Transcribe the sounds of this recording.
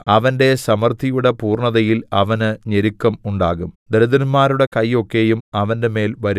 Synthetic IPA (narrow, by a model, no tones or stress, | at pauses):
ɐʋɐnde̞sɐmɐrt̪ʰijuɽepuːrɳɐðɐjilɐʋɐnɨɲeɾikːɐmuɳɖa̰ːɣumd̪ɐɾɐðɐnmaːɾuɽe̞kɐjːo̞kːe̞jumɐʋɐndeme̞ːlʋɐɾu